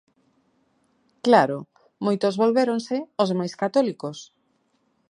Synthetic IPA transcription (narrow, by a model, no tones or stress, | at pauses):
klaɾo | mojt̪ozβolβeɾonsɪozmajskat̪ɔlikos